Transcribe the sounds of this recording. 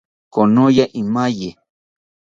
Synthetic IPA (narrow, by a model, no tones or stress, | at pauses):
konojaʔimaje